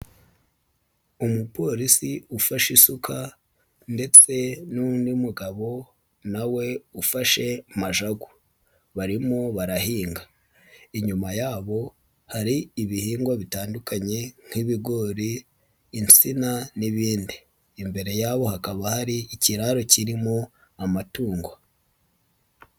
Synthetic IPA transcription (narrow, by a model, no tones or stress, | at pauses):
umupo̞ɾisiufaʃisukʰa | nde̞t͡se̞nundimuɡaβo̞ | nawe̞ufaʃe̞maʒaɡu | βaɾimoβaɾahiːŋɡa | iɲumajaːβo̞ | haɾiːβihiːŋɡwaβitaːndukʰaɲe̞ŋ̥hiβiɡo̞ɾiː | nt͡sinaniβiːndiː | mbe̞ɾe̞jaːβo̞hakaβahaɾiːciɾaɾociɾimo | amatuːŋɡwa